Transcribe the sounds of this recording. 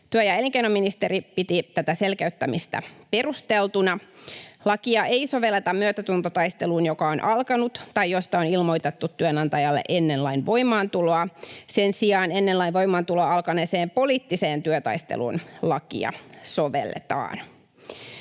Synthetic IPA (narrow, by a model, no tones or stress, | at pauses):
t̪yøjɑeliŋkeinomːinist̪eɾipit̪it̪æt̪æse̞lkæyt̪ːæmist̪æ̰pe̞rust̪elt̪unɑlɑkiɑʔeiso̞ʋelːet̪ɑmmyøt̪æt̪unt̪ot̪ɑjst̪e̞luːnjokɑonʔɑlkɑnut̪t̪ɑjjo̞st̪ɑonilmo̞jt̪et̪ːut̪ːyønɑnt̪ɑjɑlːḛʔe̞nːenlɑinʋo̞jmɑːnt̪uloɑse̞nsiɑːne̞nːelːɑinʋo̞jmɑːnt̪uloɑɑlkɑneːseːmpo̞liːt̪ːise̞ːnt̪yøt̪ɑ̰ist̪ḛlṵːnlɑkḭɑ̰so̞ʋḛlːḛt̪ɑ̰ːn